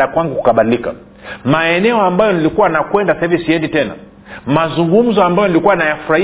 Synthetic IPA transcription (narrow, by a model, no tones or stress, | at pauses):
akwaŋɡuku̥kaɓalilika̰ | maɛnɛɔambajɔnilikuwanakwɛndasahivisiɛnditɛna̰ | mazuŋɡum̩zɔambajɔnilikuwanajafuɾai